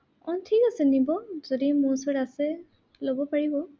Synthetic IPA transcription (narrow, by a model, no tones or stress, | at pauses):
ɔntʰikasɛnibɔzodimusɔɾasɛ | lobɔpaɹibɔ